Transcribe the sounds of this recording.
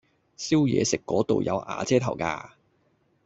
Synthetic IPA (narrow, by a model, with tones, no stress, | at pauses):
si˥wjɛ̰ː˨˧sɪ˨kːɔː˨˥t̪o˨wjɐ̰˨˧wʔa̰ː˨˧t͡sɛː˥t̪ʰɐ˨˩wka̰ː˧